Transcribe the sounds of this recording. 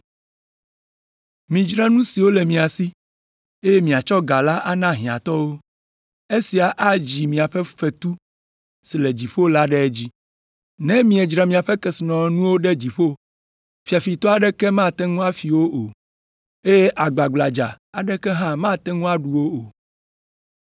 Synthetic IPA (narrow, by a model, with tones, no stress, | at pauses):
mĩ˨d͡ʒɾa˦nũ˦si˨wo˦lɛ˨mĩ˨a˨si˦ | e˦je˦mĩ˨a˨t͡ʃɔ˦ɡa˨la˦ʔa˦nã˦ɦĩ˨a̰˨t̪ɔ˦wo˦ | e˦si˨a˨ʔa˦d͡ʑi˨mĩ˨a˨ɸɛ˦fɛ˨t̪u˦ | si˨le˨d͡ʑi˨ɸo˦la˦ɖɛ˦ɛ˦d͡ʑi˦ | nɛ̃˦mĩ˨ɛ˨d͡ʒɾa˨mĩ˨a˨ɸɛ˦kɛ˨si˨nɔ̃˨nũ˦wo˦ɖɛ˦d͡ʑi˨ɸo˦ | fi˨a˨fi˨t̪ɔ˦a˨ɖɛ˦kɛ˦mã˦˨t̪ɛ˦ŋũ˦a˦fi˨wo˦ʔo˨ | e˦je˦ʔa˨ɡ͡ba˨ɡ͡bla˨d͡ʒa̰˨ | a˨ɖɛ˦kɛ˦ɦã˦mã˦t̪ɛ˦ŋũ˦a˦ɖu˨wo˦o˨